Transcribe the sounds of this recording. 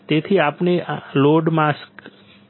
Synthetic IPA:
t̪et̪ʰiapneloɖmask

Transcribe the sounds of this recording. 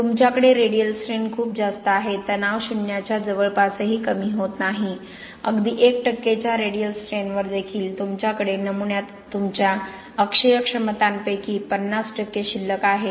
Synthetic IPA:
t̪umt͡ɕjakəɽeɾeɽijəlsɾenkʰuːp̚d͡zast̪əaɦet̪ənaʋɕinːjat͡ɕjad͡zəʋəɭpasəɦiːkəmiːɦot̪naɦi | əɡd̪iːʔekʈəkːet͡ɕjaɾeɽijəlsʈɾenʋəɾd̪ekʰiːlt̪umt͡ɕjakəɽenəmuɳjat̪ːumt͡ɕja | əkʂəjəkʂəmət̪anpəjkiːpənːasʈəkːeɕilːəkaɦe

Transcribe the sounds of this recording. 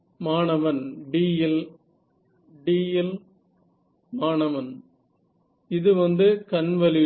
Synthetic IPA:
maːnɐʋɐnɖiːjɪl | ɖiːjɪl | maːnɐʋɐn | ɪðɯʋɐnd̪ɯkɐnʋɐlɪ

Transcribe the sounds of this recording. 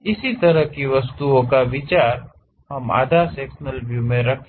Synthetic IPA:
ɪsit̪ɐɾəɦkiʋɐst̪uõkaʋɪt͡ʃaːɾ | ɦɐma̰ːd̪ʱasɛːksnəlbjuːmẽɾɐkʰ

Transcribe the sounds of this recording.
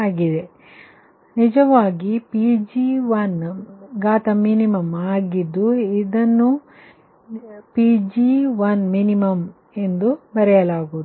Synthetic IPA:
aːɡid̪e̞ | nid͡ʒɐʋaːɡipid͡ʒiʋɐnɡaːt̪ɐminimɐmaːɡid̪ːuid̪ɐnːu | pid͡ʒiʋɐnminimɐm | e̞nd̪ubɐɾɛjɐlaːɡuːd̪

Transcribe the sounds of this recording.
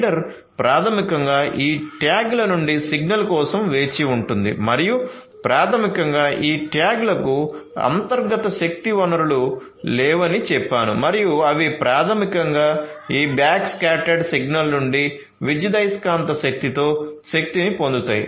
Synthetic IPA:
ɖɐɾ | pɾʔaːt̪ʰɐmikɐŋɡaːʔiːʈjaːɡlɐnuɳɖisiɡnɐlkɔːsɐmʋe̞ːt͡ʃiuɳʈund̪ḭmɐɾiju | pɾaːt̪ʰɐmikɐŋɡaːʔiːʈjaːɡlɐkuɐ̰nt̪ɐɾɡɐt̪ɐʃɐk̚t̪iʋɐnɐɾulu | lɛːʋɐnit͡ʃɛpːaːnṵmɐɾijuɐʋipɾaːt̪ʰɐmikɐŋɡaːiːbjaːkskaːʈɐɖsiɡnɐlnuɳɖi | ʋid͡ʒid̪ɐjskaːnt̪ɐʃɐk̚t̪it̪o̞ːʃek̚t̪inipond̪ut̪a̰ːjḭ

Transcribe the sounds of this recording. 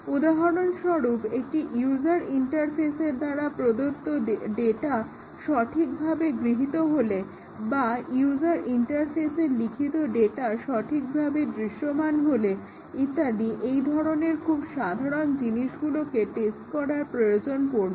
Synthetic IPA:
ud̪aɦoɽonʃɔɾupek̚ʈiʔjud͡ʑaɾiɳʈaɾfeseɾd̪aɾapɾod̪ot̪ːoɖeʈa | ʃɔʈʰik̚bʱabeɡɾiɦit̪oɦole | bajud͡ʑaɾʔiɳʈaɾfeseɾlikʰit̪oɖeʈaʃɔʈʰik̚bʱabed̪ɾiʃomanɦole | it̪ːaliʔejd̪ʱɔɾoneɾkʰubʃad̪ʱaɾond͡ʑiniʃɡulokeʈesʈkɔɾaɾpɾojod͡ʑonkoɾbe

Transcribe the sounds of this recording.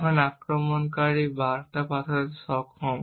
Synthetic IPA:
kʰɔnakɹɔmɔnkaɹibaɹt̪apat̪ʰɔsɔkʰɔm

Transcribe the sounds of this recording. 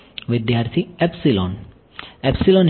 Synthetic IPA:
ʋid̪jaɾt̪ʰiɛpsilɔn | ɛpsilɔn

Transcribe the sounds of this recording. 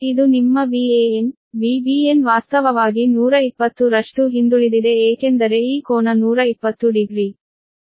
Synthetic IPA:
id̪unimːɐʋieːen | ʋiːbiːenʋaːst̪ɐʋɐʋaːɡinuːɾɐipːɐt̪ːuɾɐʂʈuɦind̪uɭid̪id̪e̞eːkend̪ɐɾeiːkoːnɐnuːɾɐipːɐt̪ːuɖiɡɾiː

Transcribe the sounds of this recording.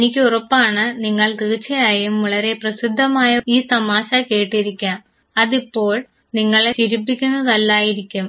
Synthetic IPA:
enikʲːɨurɐpːaːɳɨniŋːɐɭt̪iːt͡ɕːɐjaːjumʋuɭɐɾe̞prɐsid̪ʱːɐmaːjɐiːt̪ɐmaːɕɐke̞ːʈːiɾikʲːaːm | ɐðipːo̞ːɭ | niŋːɐɭet͡ɕiɾipːikʲːunːɐðɐlːaːjiɾikʲːum

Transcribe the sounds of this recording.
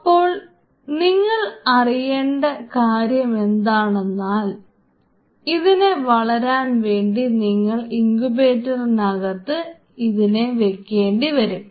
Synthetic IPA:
ɐpːo̞ːɭ | niŋːɐɭɐrijeːɳɖɐkaːɾjɐme̞nd̪aːɳe̞nːaːl | iðine̞ʋɐɭɐɾaːnʋe̞ːɳɖiniŋːɐɭiŋɡubeːtːɐrnɐɣɐt̪ːɨ | iðine̞ʋe̞kːe̞ːɳɖiʋɐɾum

